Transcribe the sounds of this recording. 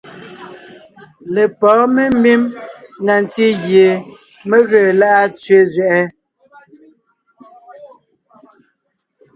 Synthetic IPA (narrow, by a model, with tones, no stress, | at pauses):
le˨pɔː˨˦me˦mi˦mna˨n˨ti˦ɣje˨ | me˦ɣeː˦˨la˦ʔa˦t͡sɥe˨˦zɥɛ˨ʔɛ˦